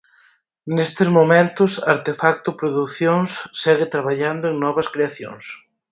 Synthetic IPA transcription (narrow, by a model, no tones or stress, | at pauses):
nest̪ɪzmomẽnt̪ʊsaɾt̪efak̚t̪ʊpɾoðuθjoŋsːɛɣɪt̪ɾaβaʎand̪ʊeŋnɔβɐskɾeaθjo̰ŋs